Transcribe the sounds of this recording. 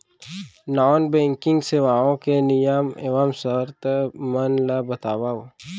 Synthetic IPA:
nɔːnbẽːŋkɪ̃ŋɡseʋaːõkenɪjəmḛʋamsəɾt̪mənlabɐt̪aːwa

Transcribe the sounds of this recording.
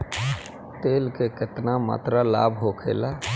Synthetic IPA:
t̪eːlkekɪt̪nama̰ːt̪ɾala̰ːbɦokʰḛːlaː

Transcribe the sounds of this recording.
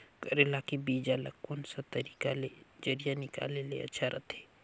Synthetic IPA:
kəɾelakibiːd͡ʒalə̰kkonsat̪əɾiːkaled͡ʒəɾijanɪka̰ːlelḛɐ̰tːʃʰaɾʔɐt̪ʰeː

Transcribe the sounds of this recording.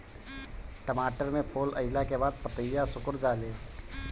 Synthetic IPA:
ʈəmaːʈəɾmẽpʰoːləɪlakebaːd̪̚pət̪əjjasʊkʊɾd͡ʒaːleː

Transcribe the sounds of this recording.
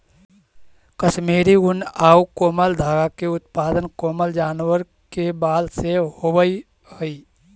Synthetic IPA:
kəʃmeːɾiɡʊnaːukoːməld̪ʱaːɡakeʊt̪paːd̪ənkoːməld͡ʒaːnwəɾ | kebaːlseɦobəi | ɦəiː

